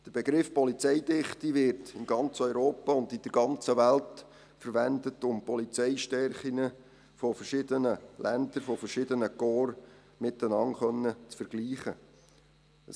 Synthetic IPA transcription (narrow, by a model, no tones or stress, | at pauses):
d̥əɾb̥ɛɡɾɪfpɔlit͡sɛɪdɪχt̪iʋɪɾtɪnɡɑnt͡sœʏɾoːpɑʊnd̪ɪd̥əɾɡɑnt͡səʋælt | fəɾʋændətʊmpɔlit͡sɛɪʃtɛɾχiŋə | fɔfərʃɪd̪ənəlænd̪əɾfɔfərʃɪd̪ənəkoːr | mɪt̪ənɑnχœnːət͡sfəɾɡ̥liːχə | ə